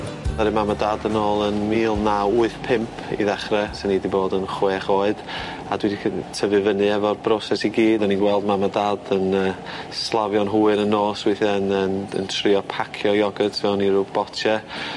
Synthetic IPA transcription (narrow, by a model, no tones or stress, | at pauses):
aɾɨmamadadənoːlˠənmiːlˠnauɨθpʰɪmpʰḭðɛχrɛsɛnidiboːdənχweːχoːɨd̥ | adwidikʰtʰəvɨvənɨɛvɔrbrɔsɛsiɡiːdaninɡwɛlˠdmamadadənəːslˠavjɔnɦuːɨɾənːoːswɪθɛnənə̰ntʰrɪɔpʰakʰjɔjɔɡədtʰvɛwniɾʊbb̥ɔtʰɛ